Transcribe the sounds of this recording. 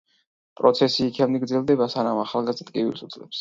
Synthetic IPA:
pʼɾɔt̪sʰɛsiːkʰɛmniɡɾd̪zɛlˠd̪ɛbasanamaχalˠɡazd̪at̪ʼkʼivḭlsut̪sʼlɛps

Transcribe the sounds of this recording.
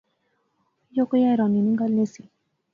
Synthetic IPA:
jokojaɾɔniniŋɡalnesi

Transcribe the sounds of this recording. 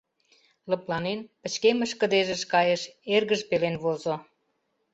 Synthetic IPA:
lə̆plɑnenpə̆t͡ɕkemə̆ʃkə̆d̪eʒə̆ʃkɑjə̆ʃerɣəʒpelenβozo

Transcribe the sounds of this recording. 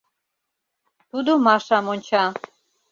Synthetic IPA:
t̪ud̪omɑʃɑmonʲt͡ɕɑ

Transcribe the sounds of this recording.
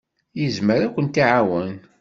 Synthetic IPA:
jəzməɾækʷːənt̪iʕawən

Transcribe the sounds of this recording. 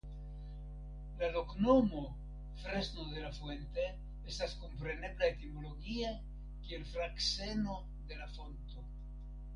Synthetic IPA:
lalo̞knomo̞ | fɾe̞sno̞de̞lafwe̞nt̪e̞ | estaskompɾe̞ne̞blaet̪imo̞lo̞ɡie | kielfɾakse̞no̞ | d̪e̞lafo̞nt̪o̞

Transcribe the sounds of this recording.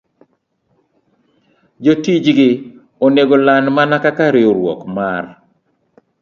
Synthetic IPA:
d͡ʒotid͡ʒɡɪ | oneɡolanmanakakaɾeoɾwɔ̰kmar

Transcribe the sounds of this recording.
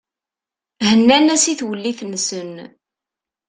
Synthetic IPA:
hənːænæsiθwəlːiθnːsən

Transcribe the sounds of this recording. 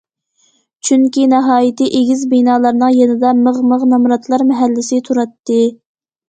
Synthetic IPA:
t͡ʃʰyŋkʲinɑɦɑːjit̪ɨʔeɡʲizbinɑːlˠɑɾnɨŋjenɨd̪ɑməʁməʁnɑmɾɑt̪ʰlˠɑɾmɛɦælːɪsɪt̪ʰuɾɑt̪ːɨ

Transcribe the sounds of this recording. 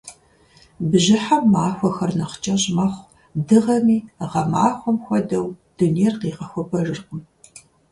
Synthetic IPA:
bɨʑɪħamːaːxʷɔxɐrnɐqt͡ʃʼɐʑmɐχʷ | dɨʁɐmiːʁɐmaːxʷɔmxʷɔdɐwd̥unejrqiːʁɐxʷɔpʰɐʒɨrqʷʊm

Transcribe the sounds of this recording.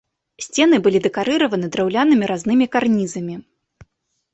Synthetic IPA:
sʲt͡sʲɛnɨbɨlʲid̪ɛkaɾɨɾɐvɐnɨd̪ɾawlʲanɨmʲiɾaznɨmʲikarnʲizɐmʲi

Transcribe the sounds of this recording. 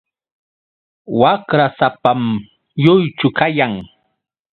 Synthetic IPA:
wakɾasapam | jʊjt͡ʃʊkajaŋ

